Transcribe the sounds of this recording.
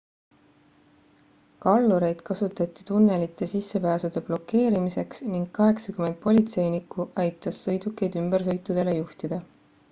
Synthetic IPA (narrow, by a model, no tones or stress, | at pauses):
kɑlːuɾe̞jd̪̥kɑsut̪ːˑɑt̪ːˑi̥t̪unːe̞lit̪ːˑe̞sisːe̞pæːsud̪̥e̞b̥lo̞kːe̞ːɾimise̞ksniŋɡ̥̚kːɑɦe̞ksɑkymend̪̚po̞lʲit̪se̞jnikːˑuʔɑjt̪ːˑɑsːɤjd̪̥ukːˑejd̪ymb̥e̞rs̬ɤjt̪ːˑud̪̥e̞le̞juht̪id̪̥ɑ